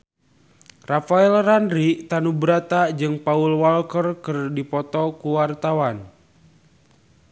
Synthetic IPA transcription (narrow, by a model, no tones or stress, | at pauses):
rafaɛlranɾit̪anubɾat̪ad͡ʒɨŋpaulwalkərkɨrdipɔt̪ɔkuwart̪awan